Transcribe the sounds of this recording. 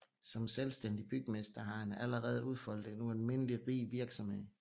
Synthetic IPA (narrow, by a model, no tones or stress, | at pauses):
sɒ̽mselsd̥end̥ib̥yɡ̥əmesd̥ɐɦɑ̈enæləʁɛːð̞̩ˠuð̞ˠfɒ̽l̰d̥e̝nuælme̝nəliʁḭːʋiɐɡ̥sɒ̽mhe̝ð̞̰ˠ